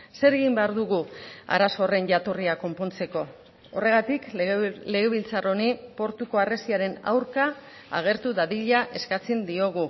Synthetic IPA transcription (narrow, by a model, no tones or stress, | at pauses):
se̞ɾe̞ɣimbe̞aɾðuɣua̰ɾaso̞re̞nʝat̪oriako̞mpo̞nt͡se̞ko̞ | ore̞ɣ̞at̪ikle̞ɣe̞βilt͡saro̞nipo̞ɾt̪uko̞aresiaɾe̞na̰wɾka̰ː | ɣ̞e̞ɾt̪uðaðiʎaʔe̞skat͡send̪io̞ɣ̞u